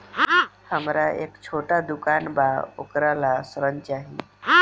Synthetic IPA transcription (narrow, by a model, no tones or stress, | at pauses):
həmɾaʔekt͡ɕʰoʈad̪ukanbao̰kɾalasɾəɲt͡ʃaɦi